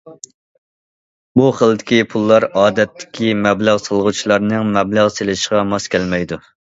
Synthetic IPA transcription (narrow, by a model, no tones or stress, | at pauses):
buχəlˠd̪ɪkʲipʰulˠːɑɾɑːd̪ɛt̪ʰːɪ̥kʲimɛblæʁsəlˠʁut͡ʃʰilˠɑɾnɨŋmɛblæʁselɪʃʁɑmɑskʲʰɛlmɛjd̪u